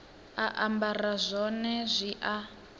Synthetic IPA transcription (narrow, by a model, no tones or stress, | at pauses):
aʔambarazʷɔnɛzʷiʔa